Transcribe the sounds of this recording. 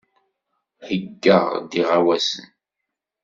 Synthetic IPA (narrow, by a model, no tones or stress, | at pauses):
həɡːəʁd̪iʁawæsə̰n